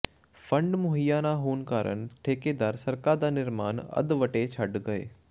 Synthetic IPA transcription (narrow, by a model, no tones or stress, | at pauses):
fʰə̃ɳɖmʊɦijaːnaɦoːnkaːɾə̰nʈʰeːked̪aːɾsɐɾkad̪aːnɪɾmaːnɐ̰d̪ʋəʈet͡ʃʰɐɖɡɐḛː